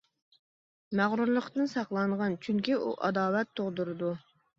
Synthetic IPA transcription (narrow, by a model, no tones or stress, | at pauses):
mæʁɾuɾlˠəχd̪ɨnsɑqlˠɑɴʁɑnt͡ʃʰyŋkʲiʔṵʔɑ̰d̪ɑːwɛt̪ʰːoʁd̪uɾɨd̪u